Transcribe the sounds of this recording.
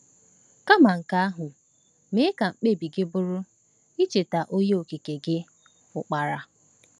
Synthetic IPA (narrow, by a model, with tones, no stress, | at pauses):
ka˦ma˨ŋ̩˨ka˦a˦ɦʊ˨ | me˦ka˨ŋ͡m̩˨k͡pe˦˨bi˨ɡɪ˦bʊ˦ɾʊ˦ | i˦t͡ʃe˨ta˨ʔo˦je˦o˨ki˨ke˨ɡɪ˦ | ʊ˨k͡pa˨ɾa˦